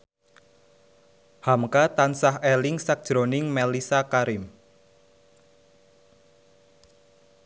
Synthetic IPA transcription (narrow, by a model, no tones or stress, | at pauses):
hamkat̪ansaɦelɪŋsak̚d̥ʒ̥ɾonɪŋmɛlisakaɾɪm